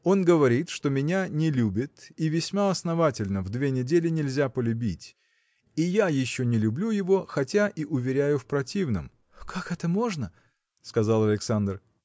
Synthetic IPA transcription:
o̞nɡəvɐɾʲit̪ʂt̪o̞mʲɪnʲanʲɪlʲubʲɪt̪ivʲɪsʲmaɐsnɐvatʲɪlʲnəvd̪vʲe̞nʲɪdʲelʲɪnʲɪlʲzʲapəlʲʉbʲitʲ | ijajɪɕːonʲɪlʲʉblʲujɪvo̞xɐtʲaʔiʔʊvʲɪɾʲæjʊfpɾɐtʲivnə̰m | kʰakɛt̪əmo̞ʐnə | skɐzalˠɐlʲɪksand̪r

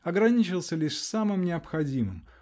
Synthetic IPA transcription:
ɐɡɾɐnʲit͡ɕɪlˠsʲəlʲiʂsamɨmnʲɪɐpxɐdʲimɨ̰m

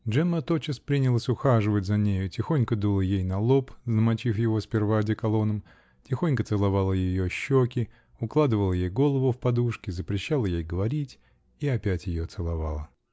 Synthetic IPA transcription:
dʐɛmːət̪ot͡ɕɪspɾʲinʲɪlˠəsʲʊxaʐɨvətʲzɐnʲejʊtʲɪxo̞nʲkəd̪ulˠəjejnɐlˠo̞pzəmɐt͡ɕifjɪvo̞spʲɪrvadʲɪkɐlˠo̞nəm | tʲɪxo̞nʲkət̪sɨlˠɐvalˠəjɪjoɕːokʲɪ | ʊklˠad̪ɨvəlˠəjejɡo̞lˠəvʊfpɐd̪uʂkʲɪzəpɾʲɪɕːalˠəjejɡəvɐɾʲitʲ | iɐpʲætʲjɪjot̪sɨlˠɐva̰lˠə

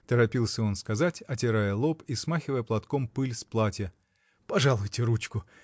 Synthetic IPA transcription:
t̪əɾɐpʲilˠsʲəonskɐzatʲɐt̬ʲɪɾajəlˠopismaxʲɪvəjəplˠɐt̪kompɨlʲsplˠatʲjə | pɐʐalˠʊjtʲɪɾut͡ɕkʊ

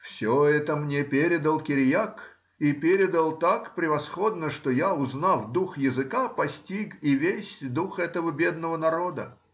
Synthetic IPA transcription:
fsʲoɛt̪əmnʲepʲeɾʲɪd̪əlˠkʲɪɾʲjak | ipʲeɾʲɪd̪əlˠt̪akpɾʲɪvɐsxod̪nəʂt̪ojaʊznafd̪uxjɪzɨkapɐsʲtʲikivʲesʲd̪uxɛt̪əvəbʲed̪nəvənɐɾo̞d̪ə

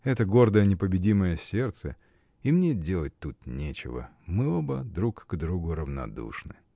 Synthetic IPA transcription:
ɛt̪əɡo̞rd̪əjənʲɪpəbʲɪdʲiməjəsʲe̞rt̪sə | imnʲedʲe̞lˠət̚ʲt̪ut̪nʲet͡ɕɪ̰və̰ | mɨo̞bəd̪ɾukɡd̪ɾuɡʊɾəvnɐ̰d̪ṵʂnɨ̰

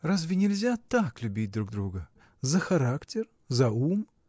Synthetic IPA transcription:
razvʲɪnʲɪlʲzʲat̪aklʲʊbʲit̚ʲd̪ɾuɡd̪ɾuɡə | zəxɐɾaktʲɪr | zɐum

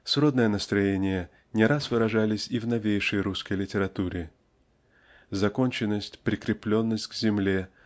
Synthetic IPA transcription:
sro̞d̪nəjənəst̪ɾɐjenʲɪjə | nʲɪɾasvɨɾɐʐalʲɪsʲɪvnɐvʲejʂəjɾuskəjlʲɪtʲɪɾɐt̪uɾʲɪ | zɐko̞nʲt͡ɕɪnːəsʲtʲpɾʲɪkɾʲɪplʲo̞nːəsʲtʲɡzʲɪmlʲe

